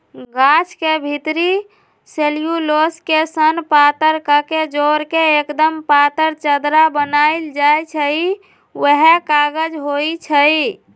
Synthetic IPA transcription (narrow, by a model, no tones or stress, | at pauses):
ɡat͡ʃʰkebʱit̪ɾi | selijuloskesənpat̪əɾkəked͡ʒoɾkeekd̪əmpat̪əɾt͡ʃəd̪ɾabənaild͡ʒajt͡ʃʰəi | wəɦekaɡəd͡ʒɦoit͡ʃʰəi